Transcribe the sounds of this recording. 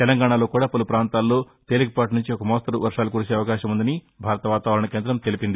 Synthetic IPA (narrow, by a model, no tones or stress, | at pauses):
t̪ɛlɐŋɡaːɳaːlo̞ːkuːɽaːpɐlupɾaːnt̪aːlːo̞ː | t̪e̞ːliɡipaːʈnuɲt͡ʃiɔkɐmoːst̪ɐɾuʋɐɾʂaːlukuːɾut͡ʃeːɐʋɐkaːʃɐmund̪ɐni | bʱaːɾɐt̪ɐʋaːt̪aːʋɐɾɐɳɐke̞ːnd̪ɾɐmt̪e̞lipind̪i